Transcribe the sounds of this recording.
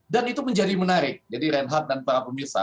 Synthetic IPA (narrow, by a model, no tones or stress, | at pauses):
danit̪uməɲd͡ʒadimənaɾɪk̚d͡ʒadiɾɛnɦat̪̚danpaɾapəmirsa̰